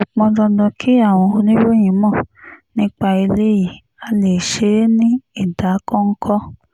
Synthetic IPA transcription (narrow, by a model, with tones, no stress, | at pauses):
o˨k͡pɔ̃˧dɔ̃˧dɔ̃˧kʰi˦a˦˨w̃ɔ̃˧o˧nĩ˦ɾo˦˨j̃ĩ˨˦mɔ̃˦˨nĩ˦k͡pa˧i˧le˦ji˦˨ | a˨˦le˨ʃe˨˦nĩ˦i˦˨da˨˦kɔ̃˦ŋ̩˦kʰɔ˦